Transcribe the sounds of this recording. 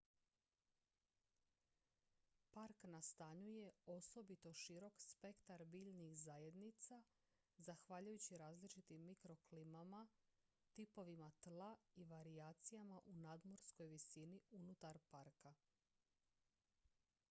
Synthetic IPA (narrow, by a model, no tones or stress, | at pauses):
paɾknast̪aɲuje̞o̞so̞bit̪o̞ʃiɾo̞kspe̞kt̪aɾbiːʎnixzaje̞d̪nit̪sa | zaxʋaːʎujut͡ɕiɾaːzlit͡ʃit̪imːikɾo̞klimama | t̪ipo̞ʋimat̪lˠaiʋaɾiaːt̪sijamaʔunad̪mo̞ɾsko̞jʋisiniunut̪aɾpaɾka